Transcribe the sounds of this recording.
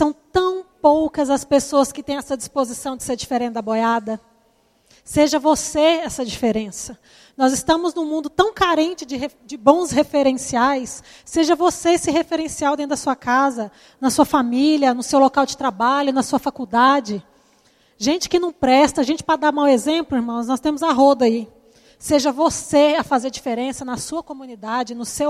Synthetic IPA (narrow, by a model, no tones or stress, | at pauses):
sɐ̃w̃t̪ɐ̃w̃powkɐzɐspesoɐskɪt̪ẽj̃ɛsɐd͡ʒispozisɐ̃w̃d͡ʒɪseɾd͡ʒifeɾẽnd̪ɐbojad̪ɐ | seʒɐvoseɛsɐd͡ʒifeɾẽsɐ | nɔzɪst̪ɐ̃mʊznʊ̃mũnd̪ʊt̪ɐ̃w̃kaɾẽnt͡ʃɪd͡ʒɪed͡ʒɪbõw̃shefeɾẽsiajsː | eʒɐvosesɪɦefeɾẽsiawd̪ẽt̪ʊd̪ɐsuɐkazɐ | nɐsuɐfamiʎɐnʊsewlokawd͡ʒɪt̪ɾabaʎʊnɐsuɐfakud̪ad͡ʒɪ | ʒẽnt͡ʃɪ̥kɪnɐ̃w̃pɾɛst̪ɐʒẽnt͡ʃɪ̥pɾad̪amaw̃ezẽmplʊiɾmɐ̃w̃znɔst̪ẽmʊzɐɦod̪ɐi | seʒɐvoseɐfazeɾd͡ʒifeɾẽsɐnɐsuɐkomũnid̪ad͡ʒɪnʊsew